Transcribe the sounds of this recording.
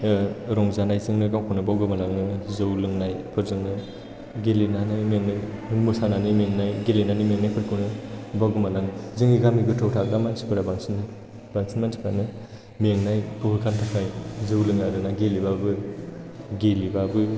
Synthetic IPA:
ɾɔŋzanajzɯŋnɯɡawkʰɯnɯbawɡɯmalaŋnɯzɯwlɯŋnajpʰɯɾzɯŋnɯ | ɡelinanajmeŋnajɯnmusananɯmeŋnajɡelinanimeŋnajpʰɯɾkʰɯnɯbawɡɯmalaŋzɯŋiɡamiɡɯtʰɔwtʰakɾamansi̥kʰɯɾabaŋsin | baŋsinmantʰi̥kʰanɯ | meŋnajpʰɯkʰɯkʰantʰakʰajzɯwlɯŋaɾɯnaɡelibabɯ | ɡelibabɯ

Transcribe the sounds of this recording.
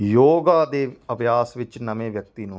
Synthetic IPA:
joːɡaːd̪eːəbjaːsʋɪt͡ʃnəmẽːʋjək̚t̪iːnũː

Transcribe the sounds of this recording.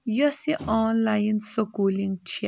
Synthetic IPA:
jɔsiʔɔːnlajinsokuːliŋt͡ʃʰi

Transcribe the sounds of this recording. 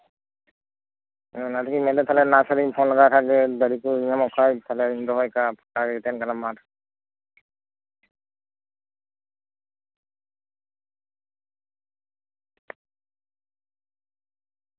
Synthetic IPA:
natʰkimɛlɛt̪ʰalɛnasaɾipʰɔnlaɡakʰaɡɛd̪əɾikuiɲamɔkʰajt̪ʰalɛindɔɦɔjkapkaɡɛt̪ɛnkalamat

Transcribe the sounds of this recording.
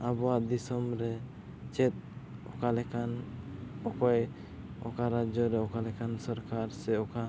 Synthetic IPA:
abɔad̪isɔmɾɛ | t͡ʃɛt̪̚ɔkalɛkan | ɔkɔj | ɔ̰kaɾad͡ʒɔɾɛɔkalɛkansɔɾkaɾsɛɔka

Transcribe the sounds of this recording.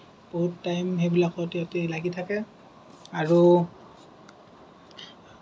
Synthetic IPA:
b̥oɦutːajmɦebilakɔtɛotelaɡitʰakɛ | aɹu

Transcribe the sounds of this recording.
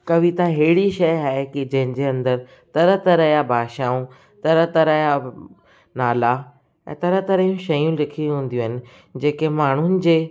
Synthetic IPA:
kɐʋit̪aɦeɦɪɽiʃɐjaːɦekid͡ʑɐ̃ɦɪ̃ɲd͡ʑeɐ̃nd̪əɾ | t̪ɐɾət̪ɐɾəjabʱaːʃaːũ | t̪ɐɾət̪ɐɾəja | naːla | ɛ̰̃ːt̪ɐɾət̪ɐɾəjũʃɐjũlɪkʰiɦũːn̆d̪ijũɦɪnɪ̆ | d͡ʑeːkemaːɳ̤ʊnɪ̆d͡ʑeː

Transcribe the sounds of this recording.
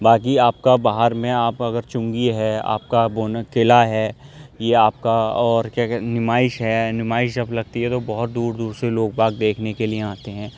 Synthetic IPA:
baːkiaːp̚kabaːɦəɾmẽaːpɐɡəɾt͡ʃʊ̃ŋɡiɦɛa̰ːp̚kabonkɪlaɦɛːjeaːp̚kaɔːɾkjaːnɪmaːɪʃɦɛnɪmaːɪʃd͡ʒɐblɐɡ̚t̪iɦɛt̪obɐɦʊt̪̚d̪uːɾd̪uːɾseloːɡ̚baːɡ̚d̪eːkʰnekelieaːt̪eɦɛ̃ː

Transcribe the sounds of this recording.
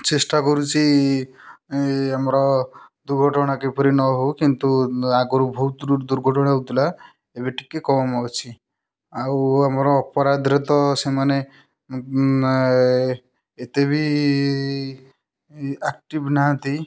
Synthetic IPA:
t͡ʃesʈakɔɾut͡ʃʰi | amɾɔd̪uɾɡʱɔʈɔɽ̃akepɔɾinɔɦokint̪uaɡɔɾubʱɔɦut̪ud̪uɾɡʱɔʈɔɽ̃aɦot̪ula | ebiʈi̥kːekɔmawt͡ʃʰi | awamɾɔːpɔɾad̪ɾet̪ɔsemane | t̪eβi | ak̚ʈibnaãt̪i

